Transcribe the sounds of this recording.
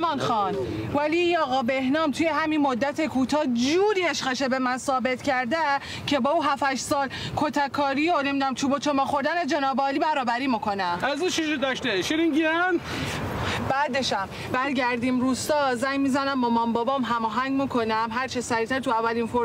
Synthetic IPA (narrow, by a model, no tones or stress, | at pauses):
mɒːnxɒːnvæliinɒːɣɒːbe̞hnɒːmt̪ʰujeɦæminmod̪ːæt̪ʰe̞kʰuːt̪ʰɒːd͡ʒuːɾiːeʃχeʃebe̞mænsɒːbe̞t̪ʰcʰæɾd̪e | cʰe̞bɒːuːɦæfæʃsɒːlkʰot̪ʰækʰːɒːɾiːone̞mid̪unæmt͡ʃʰubot͡ʃʰomɒːxo̞ɾd̪æned͡ʒenɒːbɒːlibæɾɒːbæɾiːmikʰo̞næmæzuːt͡ʃʰiʃod̪ɒʃt̪eʃiɾiŋɟiɾæm | bæd̪eʃæm | bæɾɡæɾd̪iːmɾuːst̪ɒːzæŋmizænæmbɒmɒmbɒːbɒːmɦæmɒːɦæŋɡmikʰonæmɦæɾt͡ʃʰesæɾiːt̪æɾt̪ʰuævːælinfoɾ